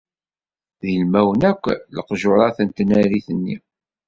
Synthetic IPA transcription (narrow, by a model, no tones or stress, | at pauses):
ðilmæwənækʷːləqʒoɾˤɑθənt̪næɾiθənːḭ